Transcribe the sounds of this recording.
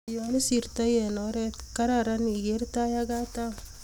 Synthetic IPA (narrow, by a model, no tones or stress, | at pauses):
jonisiɾt̪ajenoɾetkɐɾaɾaniɡeɾt̪ajaɡat̪a